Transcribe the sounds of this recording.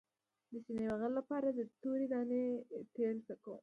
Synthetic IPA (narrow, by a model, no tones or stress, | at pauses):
d̪əsinewaɣəllapɑɾad̪ət̪oɾid̪ɑnet̪elsakaw